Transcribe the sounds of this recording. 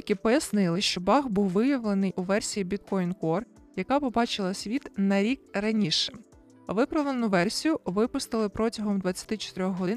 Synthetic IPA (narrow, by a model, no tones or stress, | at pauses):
jɐkʲipɔjɐsnɪlˠɪʃt͡ʃɔbɑxbuwʋɪjɐʋlˠenɪjʔuʋɛrsʲijibʲit̪̚kɔjnkɔr | jɐkɑpɔbɑt͡ʃɪlˠɐsʲʋʲit̪nɐɾʲikrɐnʲiʃɛ̥ | ʋɪpɾɐʋlˠenʊʋɛrsʲijʊʋɪpʊst̪ɪlˠɪpɾɔtʲɐɦɔmd̪ʋɐt͡sʲːɐ̥t̪ɪt͡ʃɔ̥t̪ɾʲɔxɦɔɪn